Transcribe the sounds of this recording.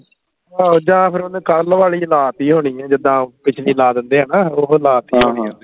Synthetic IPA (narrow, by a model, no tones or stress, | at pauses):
aːod͡ʒãːpʰɪɾonːkəlʋaːliːlaːt̪iːɦoːɽ̃iːɛ̃ːd͡ʒɪd̪ãːpɪt͡ʃʰliːlaːd̪ənd̪eːaːnãːoɦlaːt̪iːĩe